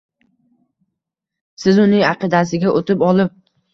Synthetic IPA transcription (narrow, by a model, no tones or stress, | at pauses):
sɪzʊnɪŋɑqɨd̪asɪɡʲaʔot̪ʰɪpɒlˠɪp̚